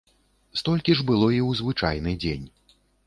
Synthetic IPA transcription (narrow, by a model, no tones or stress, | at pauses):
st̪ɔlʲkʲiʐbɨlˠɔiwzvɨt͡ʂa̰jnɨd͡zʲenʲ